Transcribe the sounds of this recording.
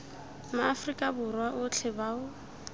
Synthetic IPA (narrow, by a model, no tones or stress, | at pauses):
maːfrikʼabʊrwaʔʊt͡ɬʰɪbaːʊ